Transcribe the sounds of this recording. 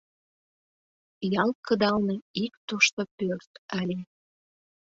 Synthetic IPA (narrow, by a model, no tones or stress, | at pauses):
jɑlˠkəd̪ɑlneik̚t̪uʃt̪opørt̪ɑlʲe